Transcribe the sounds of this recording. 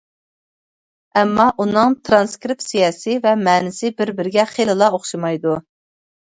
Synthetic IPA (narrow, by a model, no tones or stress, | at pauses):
ɛmːɑʔunɨŋt̪ʰɾɑnskɾɪp̚t̪sijɑːsivɛmɛːnɪsɪbɪɾbɪɾɡʲɛχelɨlˠɑoχʃɨmɑjd̪u